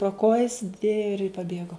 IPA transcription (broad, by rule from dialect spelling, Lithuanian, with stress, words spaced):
proː ˈkoːjɪs ɪr pɐˈbʲeːɡoː